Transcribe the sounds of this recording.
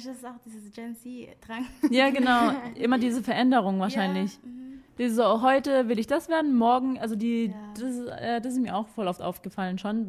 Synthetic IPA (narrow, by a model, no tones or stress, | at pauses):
assaʊxd̥iːzəsd͡ʒɛnsid̥ʁ̥aŋjaːɡənaʊʔɪmɐdiːzəfɛɐʔɛndəʁ̞ʊŋvaːɐaɪnlɪçd̥iːzzoɦɔʏtəvɪlɪçd̥asv̥eːɐdn̩mɔɐɡŋ̩ʔalzodiːd̥asɪsʔɛːdasɪstmiːɐʔaʊxfɔlʔɔftʔa̰ʊfɡ̥əfalənʃoːn